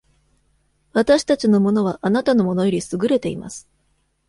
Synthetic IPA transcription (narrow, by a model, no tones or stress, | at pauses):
βat̪aɕi̥t̪at͡ɕino̞mo̞no̞β̞aʔanat̪ano̞mo̞no̞joɾʲisɨɡɯ̟ɾe̞t̪e̞ima̰sɨ̥